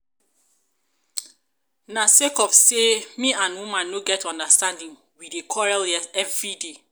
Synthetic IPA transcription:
nasekɔfsemiãnwũmãnːoɡɛtɔ̃ndastãndĩn | widekʰɔɹaljɛɛvɹide

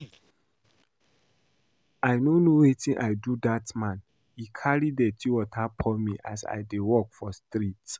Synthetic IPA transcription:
ajnonowetĩnʔajdudatmãn | hikʰaɹidɛtʰiwɔtʰapʰɔ̃nmḭʔa̰sa̰jdewɔkfɔstɾit

